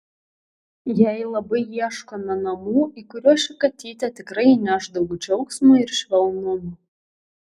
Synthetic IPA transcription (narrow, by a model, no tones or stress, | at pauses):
jɛɪlˠɐbɐɪiɛʃkoːnɐnɐmuːikʊɾʲuɔʃʲɪkɐt̪ʲiːt̪ʲɛt̪ʲɪkɾɐɪnʲæːʒd̪ɐʋuːd͡ʒʲɛʊksmoɪɾʃʲʋʲɛlˠnoːmu